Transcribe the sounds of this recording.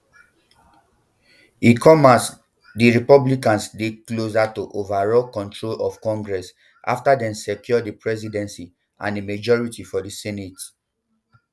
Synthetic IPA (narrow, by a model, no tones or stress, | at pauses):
ikʰɔmas | diɹipɔblikãnsdeklozatoʔovaɹɔlkɔ̃ntɹolɔvkɔ̃ŋɡɹɛs | a̰ftadɛ̃msɛkjɔdipɹɛzidɛ̃nsi | ã̰ndimad͡ʒɔɹitifɔdisɛnet